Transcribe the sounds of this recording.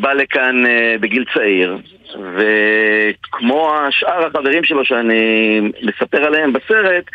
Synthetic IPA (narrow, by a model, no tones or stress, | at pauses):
balekanbeɡilt͡saiʁ | ve | kmo̞aʃʔaʁhaχave̞ʁimʃe̞lo̞ʃeanimesape̞ʁaleembase̞ʁe̞t̪